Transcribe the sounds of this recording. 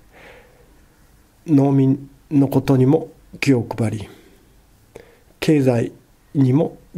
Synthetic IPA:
no̞ːmʲĩnː | o̞ko̞t̪o̞ɲ̟imo̞ | kʲio̞kɯ̟baɾʲi | kʰe̞ːzai | ɲ̟imo̞

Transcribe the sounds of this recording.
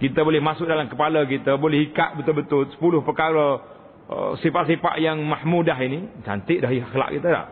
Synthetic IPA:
kit̪əbolɛhmasʊk̚dalamkəpalək̬it̪əbolɛhikaʔ̚bət̪ʊlbət̪ʊlsə̥pulʊhpəkaɾə | ə̰sifaʔsifa̰ʔjaŋmahmudaɦinit͡ʃa̰nt̪ɪʔdaɦiaxla̰ʔkit̪əda̰h

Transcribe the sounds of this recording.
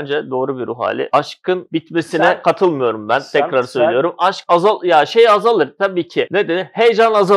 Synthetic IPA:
nd͡ʒɛd̪o̞ːɾubiɾuɦa̰ːlʲɪ̰aʃkʰɯnbit̪mesinɛkʰat̪ʰɯlˠmɯjo̞ɾumbænt̪ʰɛcɾaɾsø̞jlʲijo̞ɾumaʃkazalˠjaːʃejazalˠɯɾt̪ʰabiːcʰɪned̪enihejd͡ʒanaza

